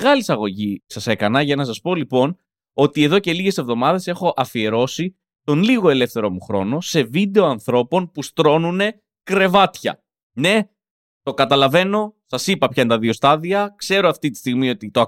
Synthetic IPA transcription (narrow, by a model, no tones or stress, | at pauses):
ɣɐlisɐɣo̞ʝisɐse̞kɐnɐʝɐnɐsɐspo̞lipo̞n | o̞t̪ieðo̞ce̞liʝe̞se̞vðo̞mɐðe̞se̞xo̞ʔɐfie̞ɾo̞si | t̪o̞nliɣo̞e̞le̞fθe̞ɾo̞muxɾo̞̰no̞se̞vid̪e̞oɐnθɾo̞po̞npust̪ɾo̞nune̞ | kɾe̞vɐt̪çɐ̰ | ne̞ | t̪o̞kɐt̪ɐlɐve̞no̞sɐsipɐpçɐint̪ɐðio̞st̪ɐðiɐkse̞ɾo̞ɐft̪it̪i̥st̪iɣmio̞t̪it̪oɐ